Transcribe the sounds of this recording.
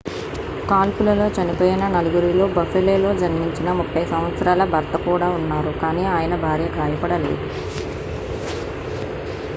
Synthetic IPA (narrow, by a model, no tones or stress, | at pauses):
kaːlpulɐlo̞ːt͡ʃɐnipoːjinɐnɐluɡuɾilo̞ːbɐfeleːlo̞ːd͡ʒɐnmiɲt͡ʃinɐmupʰːɐjsɐmʋɐt̪sɐɾaːlɐbʱɐɾt̪ɐkuːɽaːunːaːɾukaːniːaːjɐnɐbʱaːɾjɐɡaːjɐpɐɽɐlḛːd̪u